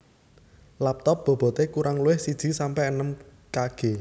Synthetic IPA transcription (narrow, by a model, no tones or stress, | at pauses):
lap̚t̪ɔp̚b̥ɔ̤b̥ɔ̤t̪ekuɾʔaŋluɪhsid̥ʒ̥i̤sampɛʔənəm | kaɡ̥e̤